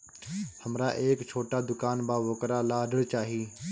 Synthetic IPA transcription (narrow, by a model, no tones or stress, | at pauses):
həmɾaːʔeːkt͡ʃʰoːʈaːd̪ʊkaːnbaːʋəkɾaːlaːɖəɽt͡ʃaːɦiː